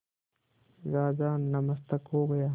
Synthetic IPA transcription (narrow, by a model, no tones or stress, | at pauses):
ɾaːd͡ʒaːnːɐməst̪əkɦoːɡɐjaː